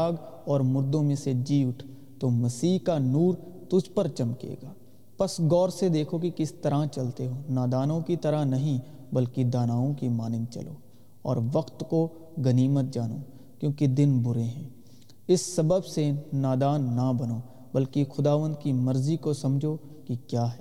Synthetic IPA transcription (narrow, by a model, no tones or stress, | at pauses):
aːɡɔːɾmʊɾd̪õmẽsed͡ʒiːʊʈʰ | t̪omɐsiːɦkanuːɾ | t̪ʊd͡ʒʱpəɾt͡ʃɐmkḛːɡaː | pɐsɡɔːɾsed̪eːkʰokikɪst̪ɐɾat͡ʃɐlt̪eɦoːnaːd̪aːnõkit̪ɐɾanɐɦĩ | bɐlkid̪aːnaːõkimaːnɪ̃nt͡ʃɐ̰lo̰ː | ɔ̰ːɾʋɐqt̪ko | ɡɐniːmət̪̚d͡ʒaːnoː | kjõːkid̪ɪnbʊɾeɦɛ̃ː | ɪsːɐbəbsenaːd̪aːnːɐbɐno | bɐlkixʊd̪aːʋə̃nd̪̚kimɐɾzikosɐ̃md͡ʒʱo | kikjaːɦɛː